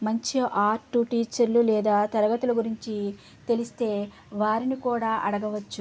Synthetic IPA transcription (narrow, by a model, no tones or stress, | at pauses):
mɐɲt͡ʃiʔaːɾʈːuʈiːt͡ʃɐɾlulɛːd̪aːt̪ɐɾɐɡɐt̪ulɐɡuɾiɲt͡ʃi | t̪e̞list̪e̞ː | ʋaːɾinikuːɽaːʔɐɽɐɡɐʋɐt͡ʃːu